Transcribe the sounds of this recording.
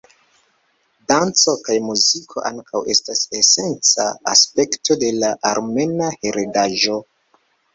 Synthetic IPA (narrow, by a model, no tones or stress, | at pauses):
dant͡so̞kajmuzikʰo̞̰ʔa̰ŋkʰawʔe̞stasese̞nt͡sa̰a̰spe̞kto̞de̞laʔaɾme̞nahe̞ɾedaʒo̞